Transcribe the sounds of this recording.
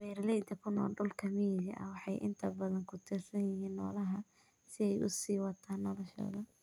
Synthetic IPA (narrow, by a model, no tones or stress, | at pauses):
bɛːrlɛjd̪ɐkʰʊnɔːlɖʊlkʰɐmɛːðɐ̰ʔɐ̰wɑħɑjʔɪ̰nt̪ʰɐbɐðɐŋkʰʊt̪ʰɪrsɐnjɪɦiːnːɔːlɐɦɐ | sɪɛjʔʊ̰siːwɑt̪ʰaːnːɔlɔʃɔ̰ːðɐ